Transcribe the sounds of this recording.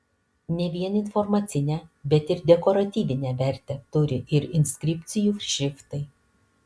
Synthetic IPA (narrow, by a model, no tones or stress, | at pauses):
nʲɛʋʲiɛnɪnfɔɾmɐt̪sʲɪnʲɛːbʲɛt̪ɪɾd̪ʲɛkɔɾɐt̪ʲiːʋʲɪnʲɛʋʲɛɾʲt̪ʲɛt̪ʊɾʲɪʔɪɾɪnʲsʲkʲɾʲɪpʲt̪sʲɪjuːʃʲɪft̪ɐɪ